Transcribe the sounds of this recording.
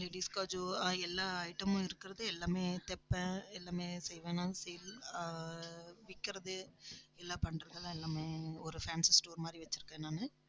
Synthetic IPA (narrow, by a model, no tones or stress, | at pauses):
leːɽiːskaːd͡ʒoɛlːaːɐɪʈːɐmʊ̃ɪɾɯkːɪɾɐðɯɛlːaːmeːt̪ɛpːɛ̃ɛlːaːmeːsɛjʋɛ̃ːnaːsɛjl | ʋɪkːɪɾɐðɯɛlːaːpɐɳɾɐɡɐɭ̃ɛlːaːmeːɔɾɯfaːnssʈoːɾmaːd̪ɾiʋɐt͡ʃːɪɾɯkːɛ̃naːnɯ